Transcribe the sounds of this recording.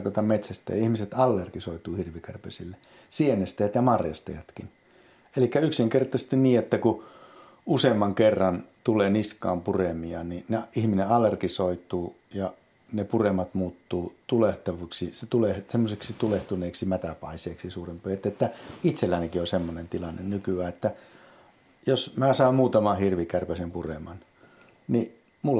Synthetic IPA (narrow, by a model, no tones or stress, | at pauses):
kot̪ɑmmet̪sæst̪æ̰jɑihmiset̪ɑlːerkisoit̪uːhirʋikærpḛsilːe | sienest̪æjæt̪jɑmɑrjɑst̪ɑ̰jɑt̪kin | elikːæyksiŋkert̪ˑɑse̥s̆t̪inniːet̪ːæku | useːmːɑŋkerːɑnt̪ulˑeːniskɑ̰ːmpuremiɑnineihmineɑlːerkisoit̪ˑuː | jɑ | nepuremːˑɑt̪muːt̪ːuːt̪uleht̪ɑʋuːksiset̪ulehsemːoseksit̪uleht̪uneːksimæt̪æpɑiseːksisuːrempøjt̪ːet̪ːæit̪selːænekiosemːonent̪ilɑnːennykyæːet̪ːæ | josmæːsɑimmuːt̪ɑmɑhirʋikærpæsimpuremɑn | ni | mul